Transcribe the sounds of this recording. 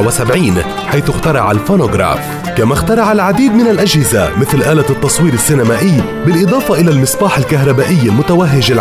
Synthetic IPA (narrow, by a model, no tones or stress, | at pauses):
wɪsabʕiːn | ħajθʊxt̪ɑɾˤɑʕalfoːnoɡɾa̰ːf | kamaxt̪ɑɾˤɑʕalʕad̪iːd̪̚mɪnalʔaʒhɪzamɪθlʔaːlat̪ːɑsˤwiːɾɪsːɪnamaːʔɪjː | bɪlʔɨd̪ˤɑːfɑʔɪlalmɨsˤbɑːħɪlkaɦɾˤɑbaːʔɪjːalmʊt̪awaɦːɪʒɪl